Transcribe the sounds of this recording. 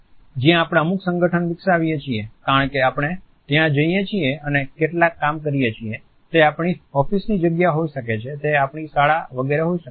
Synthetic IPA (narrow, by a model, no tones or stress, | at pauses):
d͡ʒjãːpɽ̃aəmuksə̃ŋɡəʈʰənʋɪksaʋijet͡ʃʰiekaɾəɳkeapɽ̃e | t̪jãd͡ʒəijet͡ʃʰieənekeʈlakːamkəɾijet͡ʃʰie | t̪eapɳ̃iɔfisnid͡ʒəɡjaɦoiʃəket͡ʃʰet̪eapɳisaɭaʋəɡeɾeɦoiʃə